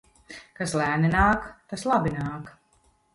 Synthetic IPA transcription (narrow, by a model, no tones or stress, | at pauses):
kaslˠæːninaːkt̪aslˠabinaːk